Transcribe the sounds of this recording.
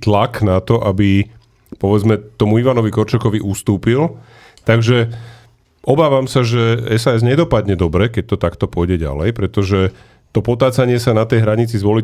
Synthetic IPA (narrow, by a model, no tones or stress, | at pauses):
t̪laknat̪ɔʔabi | pɔʋɛd͡zmɛt̪ɔmuiʋanɔʋikɔɾt͡ʃɔkɔʋiʔust̪uːpil | t̪aɡʒɛ | ʔɔbaːʋamsaʒɛɛsaːɛzɲɛd̪ɔpad̪ɲɛd̪ɔbɾɛkɛc̚t̪ɔt̪akt̪ɔpʊɔjɟɛɟa̰lɛjpɾɛt̪ɔʒɛ | t̪ɔpɔt̪aːt͡saɲɪɛsanat̪ɛjɦɾaɲit͡sizʋɔli